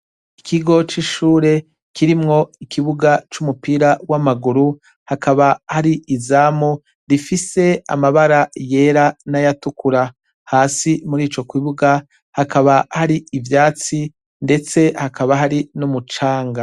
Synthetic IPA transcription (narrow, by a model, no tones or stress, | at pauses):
ikʰiɡo̞t͡ʃiʃuːɾe̞ | kiɾimŋo̞ikiβuɡat͡ʃumupiːɾawamaɡuɾu | hakaβahaɾiʔizaːmu | ɾifise̞a̰maβaɾaje̞ːɾanajatukuɾa | haːsimuɾiːt͡ʃo̞kwiβuɡa | hakaβahaɾiivjaːt͡si | nde̞t͡se̞hakʰaβaɦaɾinumut͡ʃaːŋɡa